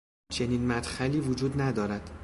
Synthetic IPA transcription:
t͡ʃʰe̞niːnmæd̪xæliːvod͡ʒuːd̪næd̪ɒːɾæd̪̥

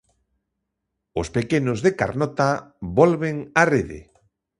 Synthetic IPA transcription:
ʊspekenozðeka̰ɾnɔt̪aβɔlβeŋareðḛ

